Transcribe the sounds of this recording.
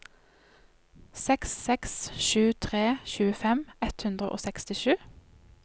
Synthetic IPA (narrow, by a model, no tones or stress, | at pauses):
sɛksːɛksʃʉːt̪ʰʁeːçʉːəfɛmɛt̪hʉnd̪ʁəʔo̰ːsɛkst̪ɪʃʉː